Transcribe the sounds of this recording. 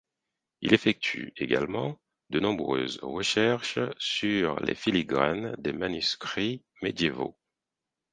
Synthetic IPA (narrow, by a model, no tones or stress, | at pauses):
ilefɛk̚t̪ʰy̰eɡalmɑ̰̃ | d̪ənɔ̃bʁø̰zʁəʃɛʁʃsyʁlḛfiliɡʁand̪emanyskχi | med̪jevo̰